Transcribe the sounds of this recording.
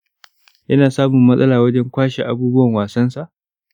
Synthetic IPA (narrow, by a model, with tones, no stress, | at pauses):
jɐ˦naː˨saː˦mʊ˨mːɐ˦sʼɐ˦laː˨wɐ˦d͡ʒɛ˦ŋkʷaː˦ʃe˨ʔa˦buː˦bʊ˦wɐ˨ŋwaː˨sɐ˦nsa˨ʔ